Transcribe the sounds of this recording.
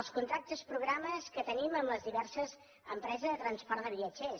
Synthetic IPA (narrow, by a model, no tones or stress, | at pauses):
lˠskunt̪ɾak̚t̪əspɾuɣ̞ɾaməskət̪əniməmləzðiβɛrsəz | əmpɾɛzəzðət̪ɾənspɔrd̪əβiəd͡ʒe